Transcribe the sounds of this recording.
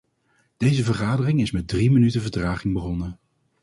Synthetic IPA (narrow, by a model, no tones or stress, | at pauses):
d̥ejzəvəɹχaːdərɪŋɪsmɛt̚drimənytəvəɹtraːχɪŋbəχɔnə